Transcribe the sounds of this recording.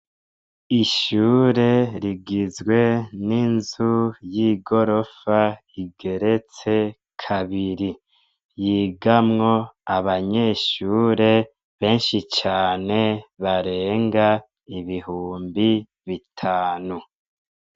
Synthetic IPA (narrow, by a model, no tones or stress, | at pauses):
iʃuːɾe̞ɾiɡizɡwe̞ninzujiɡo̞ɾo̞fa | iɡe̞ɾe̞t͡se̞ | kʰaβiɾi | jiːɡamŋo̞aβaɲe̞ːʃuːɾe̞ | βe̞ːnʃit͡ʃaːne̞βaɾeːŋɡa | iβihuːmbi | βitʰaːnu